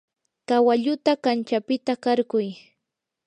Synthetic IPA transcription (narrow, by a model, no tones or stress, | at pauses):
kawaʎʊt̪akant͡ʃapɪt̪akaɾɢʊj